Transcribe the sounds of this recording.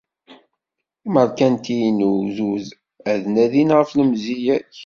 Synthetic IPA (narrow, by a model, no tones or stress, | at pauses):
məɾkænt̪ijnuzuz | æðnæðinʁəfləmzijæç